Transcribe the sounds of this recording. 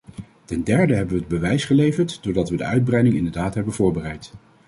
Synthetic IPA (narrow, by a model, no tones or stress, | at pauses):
tɛndɛɹdəɦɛbəʋəːd̚bəʋɛjsχəlejvəɹtd̥ʊːɹdɑtʋədə̰œɥd̚brɛjdɪŋɪ̰ndəɹdaːtɦɛbənv̥ʊːɹbərɛjt